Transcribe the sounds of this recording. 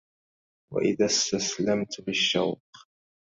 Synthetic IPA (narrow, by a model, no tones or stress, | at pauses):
wa̰ʔɪðaːst̪aslamt̪bɪʃːa̰wq